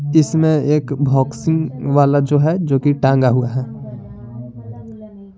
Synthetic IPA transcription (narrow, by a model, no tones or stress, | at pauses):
ɪsmẽeːkbʱɔːksɪ̃ŋɡʋaːlad͡ʒoːɦɛd͡ʒoːkiʈãːŋɡaɦuaɦɛː